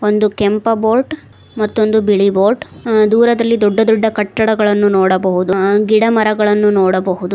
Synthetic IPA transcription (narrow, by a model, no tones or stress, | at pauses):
o̞nd̪ukɛmpɐboːɾʈ | mɐt̪ːo̞nd̪ubiɭiboːɾʈd̪uːɾɐd̪ɐlːid̪ɔɖːɐd̪ɔɖːɐkɐʈːɐɽɐɡɐɭɐnːunoːɽɐbɐɦud̪uɡiɽɐmɐɾɐɡɐɭɐnːunoːɽɐbɐɦud̪u